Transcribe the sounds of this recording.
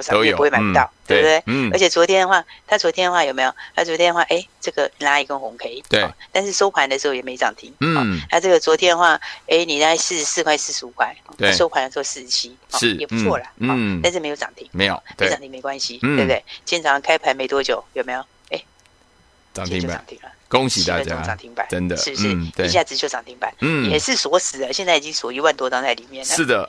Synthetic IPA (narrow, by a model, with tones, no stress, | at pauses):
spu˧wma˧˦˧t̪ɑ˥˨˩ʊt̪we˥˩˥de˥˩ə˧˥t͡ɕʰjɛ˨˩t͡swɔ˧˥t̪ʰjɛ˥nd̪ə˨˧xwa˥˩t̪ʰa˥˩t͡swɔ˧˥t̪ʰjɛ˥nə˨˧wa˥˩jo˨˩me˧˥jo˨˩t̪ʰa˥˩wɔ˧˥t̪jɛ˥˧nə˧xwa˥˧˨ʔe˥˩ɪʈ͡ʂɤ˥˩ɡə˨la˧˥i˨˩kə˥nxʊ˧˥˦ŋkʰe˧˥ɪ˨˩we˨ɔ̰t̪a˥˧nʂ̬ɻ̩˥˩ʂo˥ʊpʰwa˧˥nd̪ə˨ʂɻ̩˧˥xo˥˩jɛ˨˩e˧˥˧t͡sɑ̰˨˩ŋt̪ʰi˥ŋ̩ɔ˨na˥˧ʈ͡ʂɤ˥˩ɡə˨t͡swɔ˧˥t̪ʰjɛ˥d̪ə˧xwa˥˩e˥ɪni˨˩ɾs̩˥˧sɹ̩˥˧kʰwa˥˧ɪsɹ̩˥˩ʂ̩˧u˨˩kʰwa˥˩ɪxɔ˨˩t̪ʂo˥ʊpʰwa˧ndə˨˧ʂ̩ɻ̩˧xo˥˧sɹ̩˥˩˧t͡ɕʰi˥ɔ˨˥˨jɛ˨˩pu˧˥t͡sʰwɔ˥˩lə˩n̩˧˩a˥˧nʂ̬̩˥˩me˧˥ɪjt͡sɑ̰˨˩ŋt̪ʰi˧˥ŋme˧˥ɪjo̰˨˩mewe˥ɪ˥˨ŋt̪ʰi˧˥ŋme˧˥ɪkwa˦nɕi˨˥˨e˥˧bd̪e˥˩ɪt͡ɕʰjɛ˥nʈ͡ʂʰɑ˧˥ŋkʰa˥ɪpʰa˧˥nme˧˥ɪt̪wɔ˥˦t͡ɕjo˨˩˦ʊjo˨˩me˧˥jo˨˩ʊ | e˥˩ɪ | ʈ͡ʂɑ˨ŋt̪ʰi˧ŋ˥ba̰˩ɑ̰˨ŋt̪ʰi˧˦ŋlə˨ko˦ŋɕi˨˩t̪a̰˥˧˩t͡ɕjao˥˦˩ʈ͡ʂɑ̰˨ŋt̪ʰi˧˥ŋpa̰˨˦nʈ͡ʂə˦nd̪ə̰˨ʂɻ̩˥˧˥t̪we˨˩ɕja˥˩t͡sɹ̩˧˩t͡ɕjo˥˩t͡sɑ˨˩ŋt̪ʰi˧˥ŋpa̰˨˩˦n̩˥˩jɛ˨˩ʂɻ̩˥˨swɔ˧˥sɹ̩˨˩d̪ə˨˦ɕjɛ˥˧nt͡sa˥˩i˨˩t͡ɕi˦˥ŋswɔ˨˩i˧˥wa˥˩nt̪wɔ˥t͡sɑ˥ŋt͡sa˥˩ɪli˨˩mjɛ˥˩nʂə˦ʂ̩˥˩d̪ə˩